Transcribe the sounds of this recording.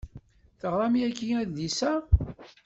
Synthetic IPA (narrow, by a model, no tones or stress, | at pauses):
θəʁɾˤɑmjækːiæððisæ